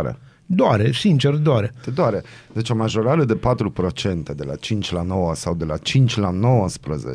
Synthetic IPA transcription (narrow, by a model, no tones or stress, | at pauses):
ɾḛ | d̪oaɾesint͡ʃeɾd̪aɾet̪ed̪oaɾe | d̪et͡ʃomaʒoɾaɾed̪epat̪ɾupɾot͡ʃent̪ed̪elat͡ʃint͡ʃʲlanowəsawd̪elat͡ʃint͡ʃlanowəspɾəzḛ